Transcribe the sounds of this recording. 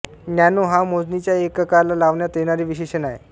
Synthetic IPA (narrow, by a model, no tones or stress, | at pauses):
njanuɦamod͡znit͡ɕjaekːəkaɾlalaʋɳjat̪eɽ̃aɾiːʋiɕeɕənaɦḛ